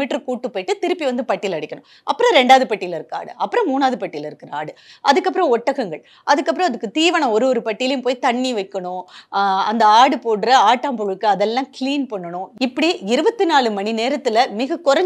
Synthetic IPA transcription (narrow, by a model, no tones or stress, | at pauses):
iʈːɾɯkuːʈːɯpːoːʈːɯt̪ɪɾɯpːiʋɐnd̪ɯpɐʈːɪlɐɽɪkːɐɳʊ̃ | ʔɐpːɯɾɐ̃ɾɛɳɖaːðɯpɐʈːɪjɪlɪɾɯkːa̰ːɽɯ̰ʔɐpːɯɾɐ̃muːnaːðɯpɐʈːɪjɪlɪɾɯkːɪɾɐaːɽɯʔɐðɯkːɐpːɯɾɐ̃ɔʈːɐɣɐŋɡɐɭ | ʔɐðɯkːɐp̬ːɯɾõɐðɯkːɯt̪iːʋɐɳɐ̃ɔɾɯʋɔɾɯpɐʈːɪjɪlɐjʊ̃mpoːjt̪ɐɳːiʋɐɪkːɐɳʊ̃ɐ̰nd̪ɐaːɽɯpoːɽɯɾɐaːʈːaːmpɔɣɭɯkːɯɐðɛlːãːkɪliːnpɐɳːɐɳʊ̃ɪpːɐɽiɪɾɯbɐt̪ːɯnaːɭɯmɐɳineːɾɐt̪ːɯlɐmɪɣɐkʊɾɐɲ